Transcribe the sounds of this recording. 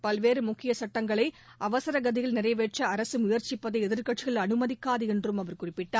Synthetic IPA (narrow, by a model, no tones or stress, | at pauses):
pɐlʋeːɾɯmʊkːɪjɐsɐʈːɐŋɡɐɭɐɪ | ʔɐʋɐsɐɾɐɡɐðɪɣɐlnɪrɐɪʋeːʈ̚t͡ʃːɐɐɾɐsɯmʊjɐɾt͡ʃɪpːɐðɐɪɛðɪɾkɐʈt͡ʃɪɣɐɭɐnɯmɐðɪkːaːðɯɛndrɯmɐʋɐɾkʊrɪpːɪʈːaːɾ